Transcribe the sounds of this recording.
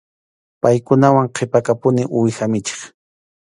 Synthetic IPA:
pajkʊnawaŋqʰepakapʊnɪʔʊjxamɪt͡ʃe̥χ

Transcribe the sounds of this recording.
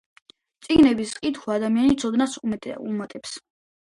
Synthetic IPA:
t̪sʼiɡnɛbisqʼit̪χʰɔad̪amianit̪sʰɔd̪nasumɛṵmat̪ʼɛps

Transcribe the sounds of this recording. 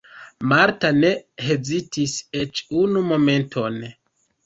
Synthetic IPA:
maɾtane̞he̞zitiset͡ʃunumo̞me̞ntʰo̞n

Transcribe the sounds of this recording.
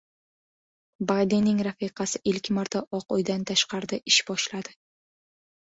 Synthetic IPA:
bajd̪enɪŋɾafiqʰɑsɪʔɪlʲkʲmaɾt̪ʰaʔɒqojd̪ant̪ʰaʃqɑɾd̪ɪʔɪʃbɒʃlad̪̥ɪ

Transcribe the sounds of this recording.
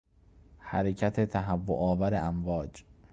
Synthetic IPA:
hæɾecʰæt̪ʰe̞t̪ʰæɦævːo̰ʔɒːvæɾeʔæmvɒːd͡ʒ

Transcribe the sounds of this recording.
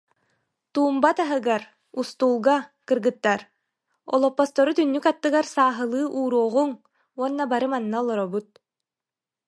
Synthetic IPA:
t̪uːmbat̪aɦɯɡaɾ | ust̪uːlˠɡakɯɾɡɯt̪ːaɾ | ɔ̰lˠɔpːɔst̪ɔɾut̪ynːykat̪ːɯɡaɾsaːɦɯlˠɯːʔuːɾuɔʁuŋ | uɔnːabaɾɯmanːaɔlˠɔɾɔbut̪̚

